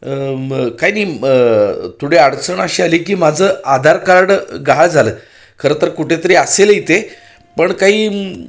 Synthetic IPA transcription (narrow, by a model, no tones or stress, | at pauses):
kajniː | t̪ʰuɽ̤eaɽt͡səɳaɕialikiːmad͡zʱəːad̪ʱaɾkaɾɽɡaaɭd͡zʱaləː | kʰəɾəːt̪əɾkuʈʰet̪əɾiːaselit̪e | pəɳkaɦiː